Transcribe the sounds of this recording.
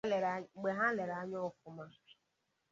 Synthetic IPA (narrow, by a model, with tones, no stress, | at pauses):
ɡ͡be˨ɦa˦le˨ɾa˨˦ɲɔ˦kʊ˦ma˦